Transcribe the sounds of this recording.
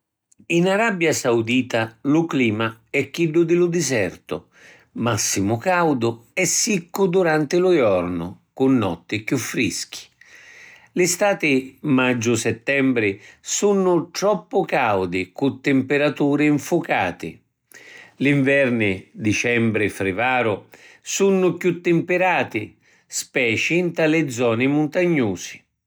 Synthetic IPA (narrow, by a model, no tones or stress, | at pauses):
inaɾabjasawd̪iːt̪alʊkliːmaɛkːiɖːʊd̪ɪlʊd̪ɪzɛrt̪ʊ̰ | masːimʊkawd̪ʊɛsːikːʊd̪uɾant̪ɪlʊjɔrnʊ̰ | kʊnːɔ̰t̪ːɪkjufːɾḭsk̟i̥ | lɪst̪aːt̪ɪmad͡ʒːʊsɛt̪ːɛmbɾɪsunːʊt̪ɾɔpːʊkawd̪ɪkʊt̪ːɪmpɪɾat̪uːɾɪiɱfʊka̰ːt̪ɪ̰ | liɱvɛrnɪd̪it͡ʃɛmbɾɪfɾɪvaːɾʊsunːʊkjut̪ːɪmpɪɾaːt̪ɪ | spɛːt͡ʃint̪alɪd̪zːɔːnɪmʊnt̪aɲːuːz̥ɪ̥